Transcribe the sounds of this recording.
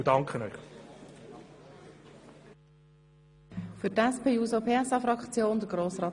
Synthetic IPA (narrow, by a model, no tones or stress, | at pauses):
dɑŋkʰənœʏχ | fʏtɛspʰeːuːzopʰeːɛsɑfɾɑkt͡sjoːnd̪əɡɾoːsrɑːt